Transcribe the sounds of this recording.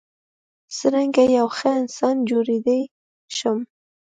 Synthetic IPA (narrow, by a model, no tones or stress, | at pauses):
səɾaŋɡajawxəɪnsɑnd͡ʒoɾed̪əj | ʃəm